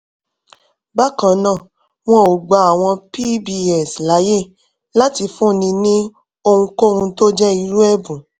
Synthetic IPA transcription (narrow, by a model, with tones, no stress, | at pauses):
ba˦kã˨nãː˦˨ | w̃ɔ̃˦o˨ɡ͡ba˧˦a˨w̃ɔ̃˧pi˦bi˦ɛ˦˨sla˨˦je˦˨ | la˦ti˧fũ˦˨nĩ˧nĩ˦ | o˧hũ˧ko˦˨hũ˧to˦d͡ʒɛ˦i˧ɾu˦ɛ˦bũ˨